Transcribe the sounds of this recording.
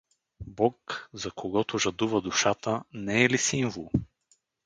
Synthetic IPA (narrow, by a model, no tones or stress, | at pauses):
bɔkzɐkʰoɡɔt̪ʊʒɐd̪uvɐd̪ʊʃat̪ənɛɛlisiɱvolˠ